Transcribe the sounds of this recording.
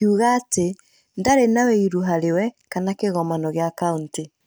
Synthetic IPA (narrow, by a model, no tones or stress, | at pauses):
uːɣaːte | ndaɾenaweiɾuɦaɾewɛkanakeɣɔmanɔɣeakaunti